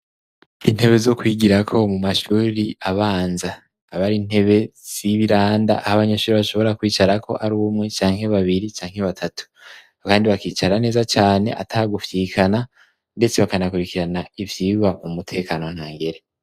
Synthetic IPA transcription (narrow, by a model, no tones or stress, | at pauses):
in̥he̞βe̞zo̞kwiɡiɾakʰo̞mumaʃuːɾiaβaːnzaː | βaɾiːn̥he̞βe̞z̥iβiɾaːnda̰ʔahaβaɲeʃuːɾiβaʃo̞βo̞ɾakwiːt͡ʃaɾakʰo̞̰ʔaɾuumŋe̞t͡ʃaːŋ̥he̞βaβiɾit͡ʃaːŋ̥he̞βatʰatu̥ | kaːndiβakiːt͡ʃaɾane̞ːzat͡ʃaːne̞̰ʔa̰tʰaɡufjikʰana | nde̞t͡se̞βakanakuɾikiɾanaivjiβamumutʰe̞ːkano̞n̥haːŋɡeɾe